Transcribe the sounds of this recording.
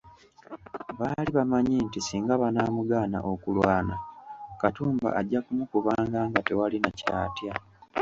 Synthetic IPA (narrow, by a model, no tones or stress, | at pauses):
βaliβamaɲiːntisiːŋɡaβanaːmuɡaːna̰ʔo̞kulwaːnakatuːmba̰ʔaɟːakumukuβaːŋɡaːŋɡate̞walinaca̰ːtja